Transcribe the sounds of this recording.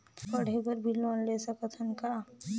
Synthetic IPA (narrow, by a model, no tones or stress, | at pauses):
kəɽ̤ʱebəɾbʱiloːnleːsəkət̪ʰənka